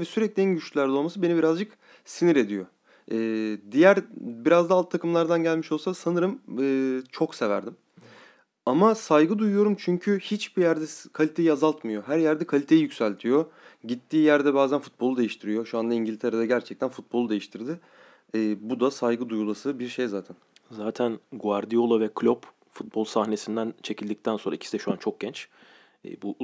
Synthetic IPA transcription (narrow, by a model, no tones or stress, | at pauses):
vɛsyɾɛclʲiɛnɟyt͡ʃlʲylʲæɾd̪ɛo̞lˠmasɯbe̞nibiɾazd͡ʒɯk | siniɾe̞d̪ijo | ɯːd̪ijæɾbiɾazd̪aːlˠt̪t̪ʰːakɯmlˠaɾd̪anɟælʲmiʃo̞lˠsad̪sanɯɾɯmɯːt͡ʃʰo̞kse̞væ̰ɾd̪im | amasajɡɯd̪ujujo̞ɾumt͡ʃʰyɲcʰyhit͡ʃbijæɾd̪ɛkʰalʲit̪ʰe̞jiazalˠt̪mɯjo̞ɦæɾjæɾd̪ɛkʰalʲit̪ʰe̞jijycʲsælʲt̪ʰijo̞ɟit̪ʰːiːjæɾd̪ɛbaːzænfut̪̚bo̞lˠud̪e̞jiʃt̪ʰiɾijo̞ʃuand̪aiɲɟilʲt̪ʰe̞ɾed̪aɟæɾt͡ʃʰɛc̚t̪ʰænfut̪̚bo̞lˠud̪ejiʃt̪ʰiɾd̪ɪː | bud̪asajɡɯd̪ujulˠasɯbiɾʃe̞jzaːt̪ʰænzaːt̪ʰænɡvaɾd̪ijo̞lˠavɛkʰlʲop | fut̪̚bolˠsahne̞sind̪ænt͡ʃʰe̞cʰilʲd̪ic̚t̪ʰænsonɾaicʰi̥sid̪ɛʃuant͡ʃʰo̞k̚ɟ̥ɛnt͡ʃː | bu